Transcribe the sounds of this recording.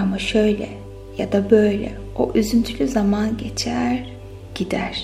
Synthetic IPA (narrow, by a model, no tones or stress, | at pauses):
amaʃø̞jlʲɛ̰ | jad̪abøjlʲɛ̰ | o̰ʔyzynt̪ʰylʲyzamanɟe̞t͡ʃʰæɾ | ɟ̥id̪æɾ̥